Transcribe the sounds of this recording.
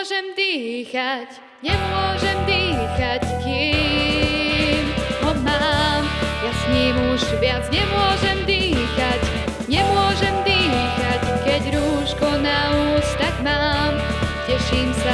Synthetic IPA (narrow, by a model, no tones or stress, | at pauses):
ʒɛmd̪iːxac | ɲɛmʊɔʒɛmd̪iːxackiː | mɔmaːmjasɲiːmuʒʋɪad͡zɲɛmʊɔʒɛmd̪iːxac | ɲɛmʊɔʒɛmd̪iːxackɛɟɾuːʃkɔnauːst̪akmaːmcɛʃiːmsa